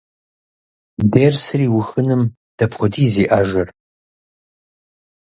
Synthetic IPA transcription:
beːrsɨriːwʊxɨnɨm | d̥ɐpχʷʊdiːziːʔaːʒɐr

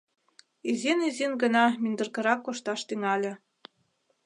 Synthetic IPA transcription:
izenizinɡɤ̆nɑmind̪ɤ̆rkɤ̆ɾɑkːoʃt̪ɑʃt̪yŋɑlʲĕ

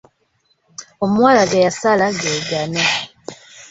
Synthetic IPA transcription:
omwaːlaɡajasalaɡeɡana

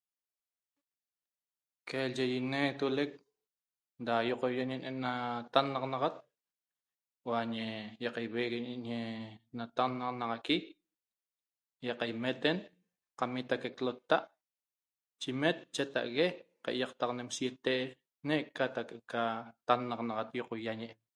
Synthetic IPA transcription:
keld͡ʒejinet̪ulek̚ | d̪ajoqojeʔɲenʔenat̪anːɑqnɑʁat̪̚ | waɲejɑqajβeɣeɲeʔɲenat̪anːɑqnɑʁɑki | jɑqajmet̪en | qamit̪akeklot̪ːaʔ | t͡ʃimet̪̚t͡ʃet̪a̰ʔɣe | qaʔjɑqt̪ɑqnemsjet̪eʔ | neʔkːat̪akekat̪anːɑqnɑʁɑt̪jɔqojaɲeʔe

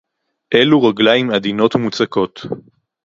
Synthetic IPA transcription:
ʔeluʁaɡlaimad̪ino̞tmut͡sako̞t̪

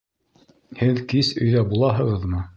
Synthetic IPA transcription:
hɘðkisɵ̆jðæbulˠɑɦɤ̆ʁɤðmɤ

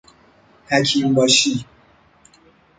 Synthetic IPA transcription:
hæcʰimbɒːʃiː

